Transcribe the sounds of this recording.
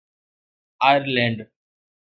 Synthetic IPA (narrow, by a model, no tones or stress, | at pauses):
ajəɾlɛ̃ɳɖ